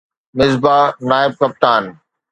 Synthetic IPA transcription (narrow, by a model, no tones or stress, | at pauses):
mɪzbaːnaːɪb̚kɐp̚t̪aːn